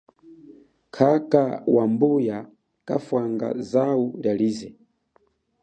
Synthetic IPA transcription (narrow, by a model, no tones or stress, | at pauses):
kʰakawambuja | kafwaŋɡa̰zauljaliːzɛ